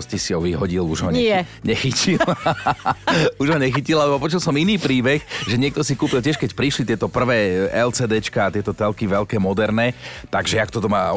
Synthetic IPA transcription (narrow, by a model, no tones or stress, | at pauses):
scisiɔʋiɦɔɟiluʒɦɔɲɲɛxicil | uʒɦɔɲɛxicilalɛbɔpɔt͡ʃulsɔminiːpɾiːbɛxʒɛɲɪɛk̚t̪ɔsikuːpilc̬ɪɛʃkɛcpɾiʃlit̪ɪɛt̪ɔpr̩ʋɛːɛlt͡sɛːd̪ɛt͡ʃkaːt̪ɪɛt̪ɔt̪ɛlkiʋɛlkɛːmɔd̪ɛɾnɛt̪aɡʒɛakt̪ɔt̪ɔmaː